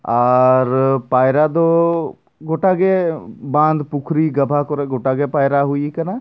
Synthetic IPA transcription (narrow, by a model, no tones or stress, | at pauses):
aːɾpaːjɾad̪o | ɡoʈaɡebãːnd̪pʊkʰɾiɡɐbʱakɔɾeɡoʈaɡepaːjɾaɦʊikɐna